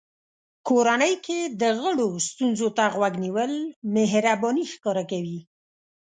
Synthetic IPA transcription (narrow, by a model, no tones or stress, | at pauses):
koɾanəjked̪əɣəɽost̪unzot̪aɣwaɡniwəlmeɦɾabɔnixkɑɾakawi